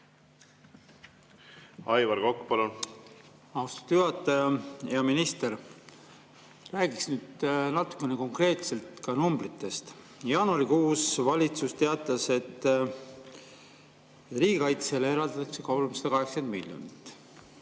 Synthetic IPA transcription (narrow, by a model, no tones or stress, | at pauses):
ɑjvɑɾkokːu̥pɑlo | ɑwst̪ɑ̥t̪ːjuhɑt̪ːˑɑjɑjɑminist̪e̞ɾ | ræːɡ̥iksnyːd̪̥nɑt̪ːˑu̥kːe̞neko̞ŋkre̞ːt̪se̞lt̪kɑnumbrit̪ːˑe̞st̪ | jɑːnuɑɾikuːsvɑlʲit̪sust̪e̞ɑt̪ːˑɑse̞t̪ː | riːɡ̥ekɑjt̪seleeɾɑld̪ɑt̪ːɑkse̞kɑwlumsɑ̥d̪ɑkɑɦekskend̪milʲjo̰nit̪ːˑ